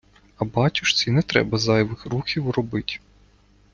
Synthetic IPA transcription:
ɐbɑt͡ʃʲʊʃt̪sʲinɛt̪ɾɛ̰bɐzɑjʋɪxɾuxʲiwrɔbɪtʲ

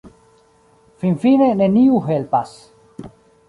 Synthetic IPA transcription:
finfineneniuɦelpas

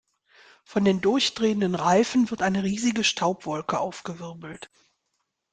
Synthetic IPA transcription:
fɔndeːndʊɐçd̥ʁeːəndənʁaɪfn̩vɪɐtʔaɪnəʁiːzɪɡəʃtʰaʊpv̥ɔlkəʔaʊfɡ̥əvɪɐbl̩t

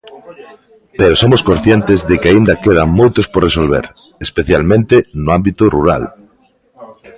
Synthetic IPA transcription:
peɾosomoskõnθjent̪ɪzðɪkeaind̪ɐkeð̞aŋmojt̪ʊsporesolβḛɾ | espeθjalmẽnt̪ɪnʊambit̪ʊrṵɾa̰l

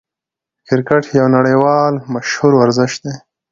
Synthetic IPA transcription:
kɪɾkaʈʰjawnaɽejwɑːlmaʃhuɾwaɾzɪʃt̪̚d̪e

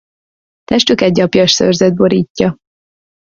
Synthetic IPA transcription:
t̪ɛʃt̪ykɛɟːɒpjɒʃsø̰rzɛd̪̚boɾiːcːɒ

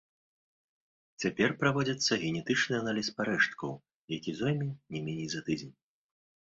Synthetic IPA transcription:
t͡sʲapʲɛrpɾavɔd͡zʲɐt̪sːɐɣʲɛnʲɛt̪ɨt͡ʂnɨanalʲispaɾɛʂt̪̚kɐw | jakʲizɔjmʲinʲɛmʲenʲɛjzat̪ɨd͡zʲɛnʲ

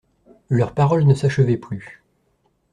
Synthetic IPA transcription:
lœʁpaʁɔlnəsaʃəvɛply

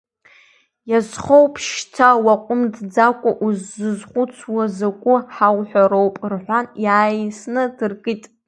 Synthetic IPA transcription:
jazχowpʰʃtʰawaqʷʼʊmdd͡zakʷʼaʔuzːɨzχʷʊt͡sʰwazakʷʼʊħawħʷᶣaɾowpʼrħʷanjaːjsnɨdɨrkʼɨtʼ

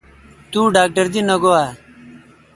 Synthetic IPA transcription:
t̪uːɖaːk̚ʈəɾd̪inəɡoaː

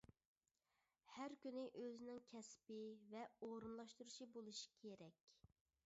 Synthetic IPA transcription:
hæɾkʲynɪʔøzɪnɪŋkʲʰɛspɪvɛoɾunlˠɑʃt̪uɾuʃibolˠuʃi̥kʲʰeɾɛkʲ

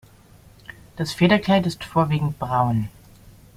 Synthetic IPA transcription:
d̥asfeːɾɐklaɪtɪstfoːɐviːɡŋ̩t̚b̥ʁaʊn

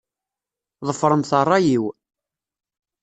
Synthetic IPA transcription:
ðˤəfɾˤəmθərˤːɑjiw

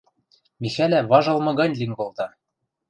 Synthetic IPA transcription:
mixælæβɑʒɤ̆lˠmɤ̆ɣɑnʲlʲiŋɡolt̪ɑ

